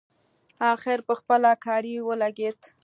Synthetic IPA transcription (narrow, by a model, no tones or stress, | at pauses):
ɑxɪɾpəxpəlakɑɾiwəlaɡed̪